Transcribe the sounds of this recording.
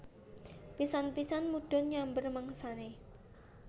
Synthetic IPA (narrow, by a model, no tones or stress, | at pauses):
pisanpisanmuɖ̥ɔ̤njaŋbərməŋsane